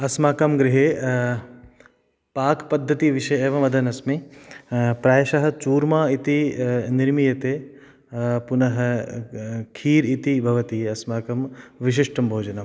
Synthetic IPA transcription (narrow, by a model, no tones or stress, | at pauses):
ɐsmaːkɐmɡɾiɦe | paːkpɐd̪ʱːɐt̪iʋiʃɐjeːʋɐmʋɐd̪ʱɐnɐsmi | pɾaːjɐʃɐɦɐ̆t͡ʃuːɾmaːit̪iniɾmijɐt̪eː | punɐɦɐ̆ | kʰiːɾit̪ibʱɐʋɐt̪iɐsmaːkɐmʋiʃ̬iʂʈɐmbʱoːd͡ʒɐnɐm